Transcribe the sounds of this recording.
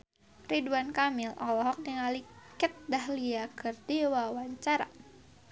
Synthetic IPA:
riduankamɪlʔɔlɔɦɔk̚diŋalikət̪̚dahliakɨrdiwawaɲt͡ʃaɾa̰

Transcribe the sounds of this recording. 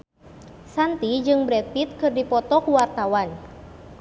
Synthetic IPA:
sant̪id͡ʒɨŋbɾɛt̪̚fit̪̚kɨrdipɔt̪ɔkuwart̪awan

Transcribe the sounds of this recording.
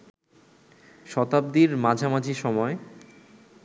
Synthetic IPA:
ʃɔt̪ab̚d̪iɾmad͡ʑʱamad͡ʑʱiʃɔmɔe

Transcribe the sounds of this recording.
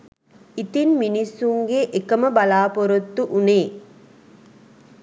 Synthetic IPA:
it̪inminisːuŋɡeʔekɐməbɐlaːpoɾut̪ːuʔuneː

